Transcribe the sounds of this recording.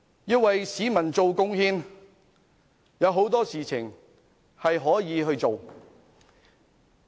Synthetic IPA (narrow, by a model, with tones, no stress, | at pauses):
jiː˧wɐ˨jsiː˨˧mɐ˨˩nt͡so˨wkʊ˥ŋhiː˥n | jɐ˨˧wɦo˨˥wt̪ɔː˥siː˨t͡sʰɪ̰˨˩ŋ | hɐ˨jɦɔː˨˥jiː˨˧ɦɵ˧ɥt͡so˨w